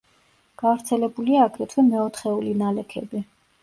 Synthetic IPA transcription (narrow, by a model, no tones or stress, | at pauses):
ɡ̥avɾt̪sʰɛlɛbuliaːɡɾɛt̪ʰwɛmɛɔt̪ʰχɛulinalɛkʰɛbi